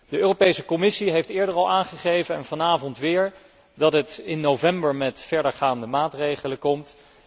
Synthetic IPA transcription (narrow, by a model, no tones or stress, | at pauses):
dəøːropejsəkomɪsiɦejftɪːɹdəɹɑlˠaːnχəχejvənɛ̰nv̥ɑnaːvɔntʋɪːɹ | dɑtɦətɪnːovɛmbəɹmɛtfɛɹdəɹχaːndəmaːtrejχələkɔmt